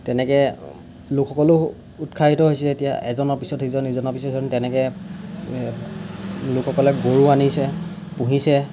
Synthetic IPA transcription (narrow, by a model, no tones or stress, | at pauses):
tɛnɛkɛ | lʊkʰxɔkɔlʊ | utkʰaitɔɦojsɛɛetija̰ʔɛzɔnɔɹpisɔtɦizɔnizɔnɔpisɔtɔntɛnɛkɛ | lʊkʰxɔkɔlɛɡoɹuanisɛ | pũɦisɛ